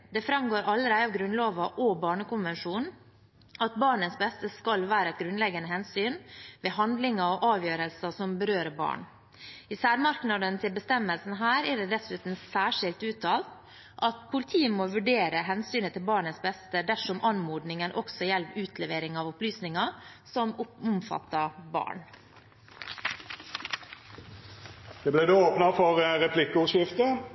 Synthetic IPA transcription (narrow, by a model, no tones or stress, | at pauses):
d̪ɛfɾɑmɡoːɾʔɑlːəɾæɪɑʋɡɾʉnloːʋɑʔɔbɑːɳəkʊnʋɛnʂuːn | ɑt̪̚bɑːɳənsbɛst̪əskɑlʋæːɾəɛt̪ɡɾʉnlɛɡːɑnəhɛnsyːnʋeːɦɑnd̪lɪŋɑɔʔɑːʋjøːɾəlsɑsɔmbəɾøːɾəbɑ̰ːɳ | ɪsæːɾmɑɾknɑd̪ənt̪ʰɪlbəst̪ɛmːəlsn̩ɦæːɾɛɖɛd̪ɛsʉːt̪n̩sæːʂɪlt̪ʉːt̪ʰɑːlt̪ | ʔɑt̪pʰʊlɪt̪ʰiːəmoːʋʉɖeːɾəɦɛnsyːnət̪ʰɪlbɑːɳəsbɛst̪əd̪æʂɔmʔɑnmuːd̪nɪŋənʔɔksɔjɛlpʉːt̪ʰlɛʋeːɾɪŋɑːʋʊplyːsnɪŋɑ | sɔmʊʊmfɑ̰t̪ːɑbɑ̰ːɳ | d̪ɛblæɪd̪eoːpnɑfɔʁʁɛpʰlɪkːəʊʃɪft̪ə